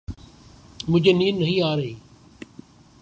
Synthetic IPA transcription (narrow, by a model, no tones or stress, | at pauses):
mʊ̃d͡ʑʱeniːɾnəɦĩːaːɾəiː